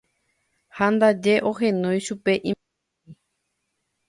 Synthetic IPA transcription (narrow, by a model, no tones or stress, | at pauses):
hand̪ad͡ʒe̞ʔoɦẽnõjʃupeʔĩ | i